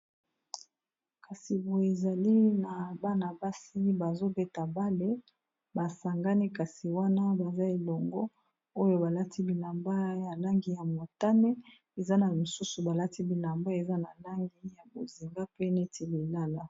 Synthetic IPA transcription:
ka˨si˨bo˨e˨za˨li˦na˨ba˦na˨ba˦si˦ba˨zo˦be˦ta˨ba˦le˦ | ba˨sa˨ŋɡa˦ni˦ka˨si˨wa˦na˦ba˨za˦e˨lɔ˨ŋɡɔ˦ | o˦jo˦ba˨la˦ti˦bi˨la˨mba˦ja˨la˦ŋɡi˨ja˨mo˨ta˦ne˦ | e˨za˦na˨mo˨su˦su˨ba˨la˦ti˦bi˨la˨mba˦e˨za˦na˨la˦ŋɡi˦ja˨bo˨zi˨ŋɡa˦pe˦ne˦tʰi˨li˨la˦la˦

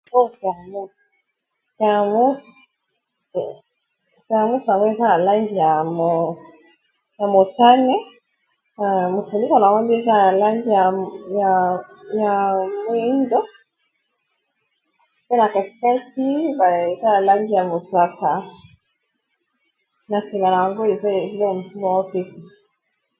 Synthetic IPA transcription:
ɔ˦ta˨mu˦si̥ | ta˨a˨mu˦si̥ | ta˨mu˦si˨a˨ŋɡɔ˦ɛ˦za˦na˨la˦ŋɡi˨ja˨mɔ | ja˨mɔ˨ta˦nɛ˦ | na˨mu˨fu˨ni˦kɔ˨na˨ɔ˦bi˦ɛ˦za˦na˨la˦ŋɡi˨ja˨ja˨ja˨mwe˦ndɔ˦ | pe˦na˨ka˨ti̥˨ka˦ti˦ba˨e˨za˦na˨la˦ŋɡi˨ja˨mo˨sa˦ka˨ | na˨se˨ma˨na˨ja˨ŋɡo˦e˨za˦˨˦lo˦˨mu˨tu˦ma˨˦ɔ˦pe˦ti˨

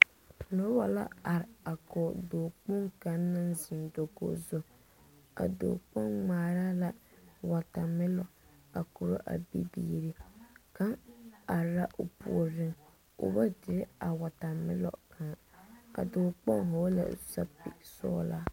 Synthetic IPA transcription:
tʰʊ˨nɔ˦wa˦la̰˦a˨ɾɪ˨a˨kɔː˨doː˨k͡pʊ˦ŋka˨˦nːa˦nzɪ˨ndo˨ɡo̰˦zʊ˨ | ka̰˨do̰ː˨k͡pɔ˦ŋŋ͡maː˨ɾaː˦la˨wa˨ta˨mɪ˦lɔ˨ | a˨ku˨ɾo˦ʔa̰˨bḭ˦bḭː˦ɾi˦ka˦ŋa˨ɾa˦ʔʊ˨pṵ˨ɔ˨ɾɪ˦ŋ | ʊ̰˨ba˦dɪ˨ɾɪ˦a˨wa˨ta˨mɪ̰˦lɔ̰˨ka˨ŋ˨ka̰˨doː˨k͡pɔ˦ŋɦɔ˨˦la̰˨sa̰˦pɪ̰˨sɔ̰ː˦laː˦

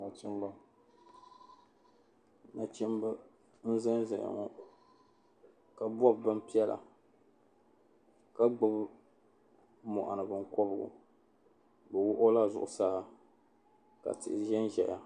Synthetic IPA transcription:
na˨t͡ʃɛ˦mba˦ | na˨t͡ʃɛ˦m˦ba˦ | n̩˦zɛ˦n˦zɛ˨ʔa̰˨ŋɔ˦ | ka˨bɔ˦˨bbɨ˦m˦pi˦ɛ˦la̰˨ | ka˦ɡ͡bʊ˦b | mɔ̰˨ʔa˨nɨ˨bɨ˦ŋ˦kɔ˦bɨ˦ɡʊ̰˨ | bɨ˨wʊ˦ʔʊ˦la˦zʊ˨ʔʊ˨saː˦ | ka̰˨tɪ˨ʔɪ˨ʒɛ˦n˦ʒɛ˨ja˨

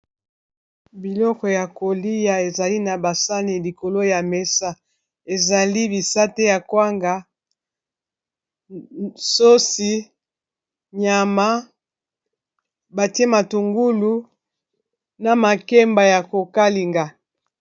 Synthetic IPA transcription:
bi˨lɔ˦kɔ˨ja˨ko˨li˦ja˨e˨za˨li˦na˨ba˨sa˦ni˨li˨ko˨lo˦ja˨me˨sa˦ | e˨za˨li˦bi˨sa˦te˦ja˨kwa˦ŋɡa˨ | so˦si˦ | ɲa˨ma˦ | ba˨ti˦e˦ma˨tu˨ŋɡu˦lu˦ | na˨ma˨ke˦mba˨ja˨ko˨ka˦li˨ŋɡa˨

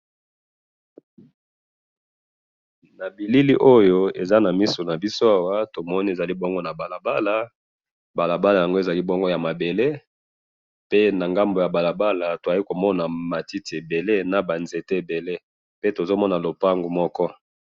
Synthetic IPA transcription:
na˨bi˨li˦li˦ʔo˦jo˦e˨za˦na˨mi˦so˨na˨bi˦so˦a˦wa˦to˨mɔ˦ni˦e˨za˨li˦bɔ˦ŋɡo˦na˨ba˨la˨ba˦la˨ | ba˨la˨ba˦la˨ja˨ŋɡo˦e˨za˨li˦bɔ˦ŋɡo˦ja˨ma˨be˨le˦ | pe˦na˨ŋɡa˦mbo˨ja˨ba˨la˨ba˦la˨to˨a˨li˦ko˨mɔ˦na˨ma˨ti˦ti˨e˨be˨le˦na˨ba˨nze˨te˦e˨be˨le˦ | pe˦to˨zo˦mɔ˦na˨lo˨pa˦ŋɡu˨mɔ˦kɔ˦

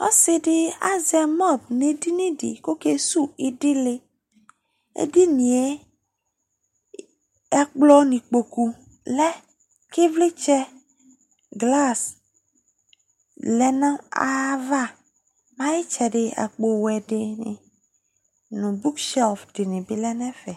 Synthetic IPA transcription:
ɔ̰˦sɪ˨dɪ˦a˦zɛ˨mɔ˦˨bnẽ˨di˦nĩ˦dɪ̰˨ko˦ke˦su˦ɪ˦dɪ˦lɪ˦ | ḛ˦di˦nĩ˨e˦ | ɛ˦k͡plɔ˦nĩ˨k͡po˨ku˨ | lɛ˦ | ki˦vli˦t͡ʃɛ˦ | ɡla˦˨s | lɛ˦nã˦a̰˦va˦ | mã˦ji˦t͡ʃɛ˨ɖɪ˨a̰˨k͡po˨wɛ˨ɖɪ˨nɪ̰̃˨ | nũ˨bu˦kʃɛ˦lfdɪ˨nĩ˨bi˨lɛ˦nɛ̃˦fɛ˨

